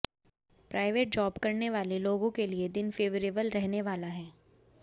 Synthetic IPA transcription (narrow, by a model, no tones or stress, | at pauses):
pɾaːɪʋeːʈ̚d͡ʒɔːbkɐɾneʋaːleloːɡõkelied̪ɪnfeːʋəɾeːbəlɾɛɦneʋaːlaɦɛː